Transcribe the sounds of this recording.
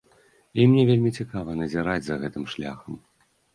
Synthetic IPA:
imnʲɛvʲelʲmʲit͡sʲikavɐnɐzʲiɾad͡zʲzɐɣɛt̪ɨmʂlʲa̰xɐm

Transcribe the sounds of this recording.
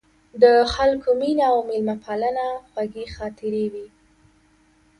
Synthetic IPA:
d̪əxalkominaawmɪlmapʰalanaxwaɡixɑt̪ɪɾewi

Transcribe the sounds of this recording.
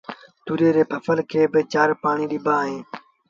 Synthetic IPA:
t̪uːɾeːɾeːpʰəfəlkʰeːbɪt͡ʃaːɾpaːɳiːɗɪbʱaːɦẽː

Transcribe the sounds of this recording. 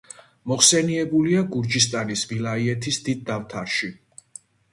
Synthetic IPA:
mɔχsɛniɛbuliaɡuɾd͡ʒist̪ʼanisbilaiɛt̪ʰisd̪id̪̚ːavt̪ʰaɾʃi

